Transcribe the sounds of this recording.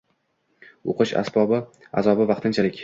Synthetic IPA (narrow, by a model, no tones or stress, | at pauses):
oqʰɨʃa̰sbɒbɪ | a̰zɒbɪvɑqt̪ʰɪnt͡ʃʰalɪkʲ